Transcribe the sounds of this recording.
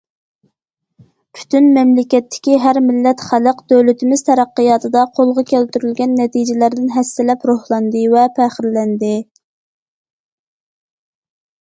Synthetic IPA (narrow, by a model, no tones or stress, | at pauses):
pʰy̥t̪ʰynmɛmlɪkʲɛt̪ːɪ̥kʲiɦæɾmɪlːɛt̪χæləqd̪øwlɪt̪ʰɪmɪz̥t̪ʰɛɾæqːəjɑt̪ʰɨd̪ɑqʰolˠʁɑkʲælt̪yɾylɡʲɛnːɛt̪id͡ʒɪlæɾd̪ɪnɦɛsːɪlɛpɾohlˠɑnd̪ɨvɛpʰæχɪɾlɛnd̪ɪ